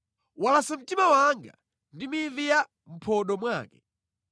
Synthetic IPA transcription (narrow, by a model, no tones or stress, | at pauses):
walasam̩timawaŋɡa̰ | ndimivija | m̩pʰɔɗɔmwaːkɛ